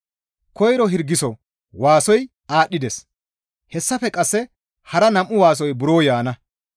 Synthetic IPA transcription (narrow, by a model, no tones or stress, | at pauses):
kɔjɾɔɦɪɾɡːɪsɔ | waːsɔj | aːɗːɪd̪ɛs | hɛsːɐfɛkʼɐsːɛ | hɐɾɐnɐmʔːʊwaːs̬ɔjbʊɾoːjaːnɐ